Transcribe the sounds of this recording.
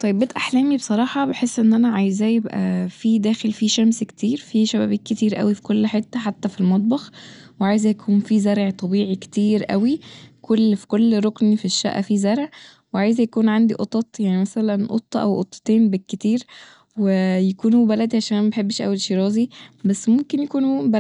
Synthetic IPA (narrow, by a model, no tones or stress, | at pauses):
t̪ˤɑjebbet̪ʔaħlæːmibesˤɑɾˤɑːħɑbeħesːʔenːʔænæʕajzæjebʔæ̰fid̪æːxelfiʃæmske̥t̪iːɾfiʃæbæ̰ːbiːkkːet̪iːɾʔæ̰wifi̥kolːħet̪ːæħat̪ːæfilmɑt̪̚ˤbɑxweʕaːjzæjækʰuːnfizæɾʕt̪ˤɑbiːʕike̥t̪iːɾʔæ̰wikʰolːfi̥kolːɾˤoknifiʃːæ̰ʔæ̰fizæɾʕ | weʕaːjzæjækuːnʕand̪iʔot̪ˤɑt̪ˤjaʕnimæsælænʔo̰t̪ˤːʔæ̰wʔo̰t̪ˤːt̪eːnbekːet̪iːɾ | wejækuːnubælæd̪iʕaʃæːʔæmæbeħebːeʃʔæ̰wːelʃiɾˤɑːzibæsːmomkenjækuːnubæ